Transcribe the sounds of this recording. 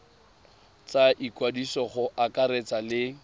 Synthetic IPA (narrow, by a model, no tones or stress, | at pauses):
t͡saʔikwadisɔχʊʔakʼaɾet͡salɪ